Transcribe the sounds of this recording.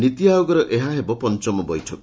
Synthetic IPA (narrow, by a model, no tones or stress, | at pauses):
nit̪iajoɡɔɾɔʔeɦaɦebɔpɔnt͡ʃɔmɔbɔjʈʰɔkɔ